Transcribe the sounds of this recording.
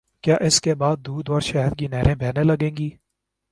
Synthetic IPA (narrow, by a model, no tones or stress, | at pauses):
kjaːʔɪskebaːd̪̚ːuːd̪ɔːɾʃɛːɦəɾkinɛːɾẽːbʱɛːnelɐɡẽːŋɡiː